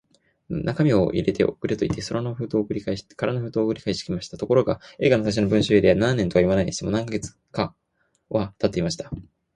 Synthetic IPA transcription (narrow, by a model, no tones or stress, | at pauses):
ɯnakamʲio̞̰ʔḭɾe̞t̪e̞̰ʔo̞kɯ̟ɾe̞t̪o̞ḭt̪ʰːe̞so̞ɾano̞ɸɯ̟ːt̪o̞ːkɯ̟ɾʲikaiɕkaɾanoɸɯ̟ːt̪o̞ːkɯ̟ɾʲi̥kaiɕii̥kʲimaɕi̥t̪at̪o̞ko̞ɾo̞ɡae̞ːɡanosaiɕo̞nobɯ̟̃ɕɨːeɾeanãnːẽnt̪o̞kajomanaid̪eɕit̪emo̞nãŋkaɡe̞t͡sɨ̥ | ka | βat̪at̪ːeimaɕ̬i̥t̪ḁ